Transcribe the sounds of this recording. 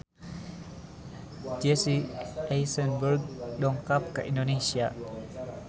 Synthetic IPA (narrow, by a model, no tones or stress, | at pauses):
d͡ʒesiejsənbəɾɡ̚dɔŋkap̚kaʔindonesia